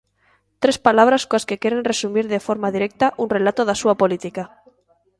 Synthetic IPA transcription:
t̪ɾespalaβ̞ɾaskoaskekeɾenresumiɾðefoɾmaðiɾek̚t̪aʔunre̞lat̪oðasuapolit̪ika

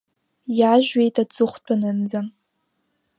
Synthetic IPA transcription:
jaʒᶣɥejtʼat͡sɨχʷt͡pʷʰʼanɨnd͡zam

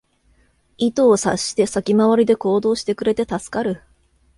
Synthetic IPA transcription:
it̪o̞ːsaɕi̥t̪e̞sakʲimaβaɾʲid̪e̞ko̞ːd̪o̞ːɕi̥t̪e̞kɯ̟ɾe̞t̪e̞t̪asɨ̥kaɾɯ̟

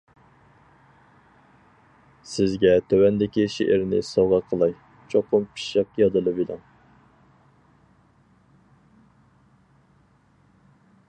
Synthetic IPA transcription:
sɪzɡʲɛt̪ʰøwɛnd̪ɪkʲiʃeʔɪɾnɪ̰sɑwʁɑqʰəlˠɑj | t͡ʃʰoqʊmpʰi̥ʃəqjɑd̪ɨlˠɨvilɪŋ

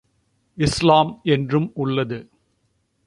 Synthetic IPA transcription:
ɪslaːmɛndrɯmʊɭːɐðɯ

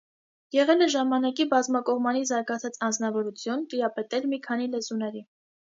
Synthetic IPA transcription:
jɛʁɛləʒɑmɑnɑkibɑzmɑkɔʁmɑnizɑɾɡɑt͡sʰɑt͡sɑnd͡znɑvɔɾut͡sʰjunt̪iɾɑpɛt̪ɛlmikʰɑn̪ilɛzunɛɾi

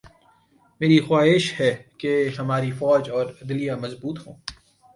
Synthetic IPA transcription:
meːɾixwaːɦɪʃhɛkeɦɐmaːɾifɔːd͡ʒɔːɾɪd̪ɪlijamɐzbuːt̪hõː

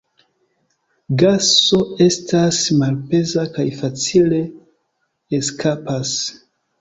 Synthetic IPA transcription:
ɡaso̞e̞stasmalpe̞zakajfat͡sile̞ | eskʰapas

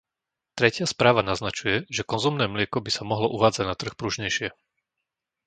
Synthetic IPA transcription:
t̪ɾɛcɪaspɾaːʋanaznat͡ʃujɛʒɛkɔnzumnɛːmlɪɛkɔbisamɔɦlɔʔuʋaːd͡zaɟnat̪r̩xpɾuʒɲɛjʃɪɛ

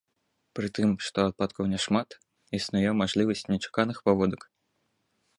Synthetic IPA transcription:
pɾɨt̪ɨmʂt̪ɔat̪̚pat̪kɐwnʲɛʂmat̪ | isnujɛmaʐlʲivɐsʲt͡sʲnʲɛt͡ʂḁkanɨxpavɔd̪ɐk

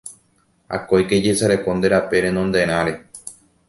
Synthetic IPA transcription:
a̰kojked͡ʒesaɾe̞ko̞nd̪e̞ɾape̞ɾe̞nõnd̪e̞ɾ̃ãɾe̞

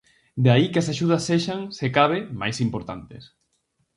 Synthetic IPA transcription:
d̪aikɐsaʃuð̞ɐsːeʃaŋsekaβ̞ɪma̰jsimpoɾt̪a̰nt̪es

